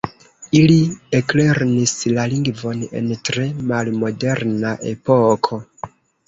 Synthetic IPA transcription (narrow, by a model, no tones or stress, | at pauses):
iliekle̞ɾnislaliŋɡvo̞ne̞̰ntɾe̞malmo̞de̞ɾnaʔe̞̰pokʰo̞